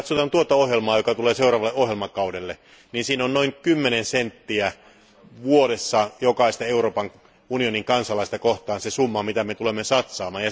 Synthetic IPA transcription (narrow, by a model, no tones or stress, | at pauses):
t̪sot̪ɑnt̪uot̪ɑohjelmɑːjokɑt̪uleːseurɑːʋɑlːeʔohjelmɑkɑudelːe | niːnsiːnonnoiŋkymːenensent̪ːiæ | ʋuoɾesːɑjokɑist̪ɑeuroːpɑŋ | unioniŋkɑnsɑlɑist̪ɑkoht̪ɑːnsesumːɑmit̪æmet̪ulemːesɑt̪sɑːmɑːjjɑ